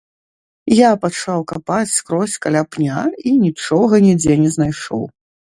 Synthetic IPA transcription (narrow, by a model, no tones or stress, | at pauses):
japat͡ʂawkapat͡sʲskɾɔsʲkalʲapnʲainʲit͡ʂɔɣɐnʲid͡zʲɛnʲɛznajʂɔ̰w